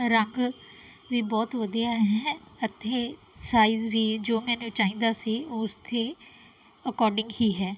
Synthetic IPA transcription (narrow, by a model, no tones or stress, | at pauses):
ɾəŋɡ | ʋiːbɔːt̪ʋəd̪ijaːɦɛːət̪ʰːeː | saːiːzʋiːd͡ʒoːmɛ̃ːnũːt͡ʃaːĩːnd̪aːsiːʊst̪ʰeː | əkɔːɾɖɪ̃ŋɡhiːɦɛː